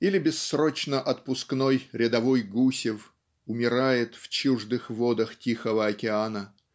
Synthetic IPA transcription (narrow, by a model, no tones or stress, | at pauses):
ilʲɪbʲɪsːɾo̞t͡ɕnəʔɐt̪̚pʊskno̞jɾʲɪd̪ɐvo̞jɡusʲɪf | ʊmʲɪɾajɪt̪ft͡ɕuʐd̪ɨxvo̞d̪əxtʲixəvəɐkʲɪanə